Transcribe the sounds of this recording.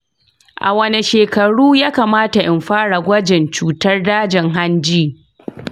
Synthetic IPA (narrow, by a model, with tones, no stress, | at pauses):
ʔa̰˨wɐ˦ni˨ʃeː˨kɐ˨ɽuː˦jaː˦kaː˨maː˦ta˨ʔɪ˨mɸaː˦ɽa˨ɡʷɐ˦d͡ʒɪ˨nt͡ʃuː˦tɐ˦rdaː˦d͡ʒɪ˨ŋɦa˦nd͡ʒiː˦